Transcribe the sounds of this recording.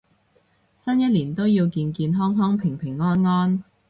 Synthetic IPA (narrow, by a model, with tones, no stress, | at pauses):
sɐ˥njɐ˥t̚liː˨˩nt̪o˥wjiː˧wkiː˧nkiː˧nɦɔː˥ŋɦɔː˥ŋpʰɪ˨˩ŋpʰɪ˨˩ŋːɔː˥nŋɔː˥n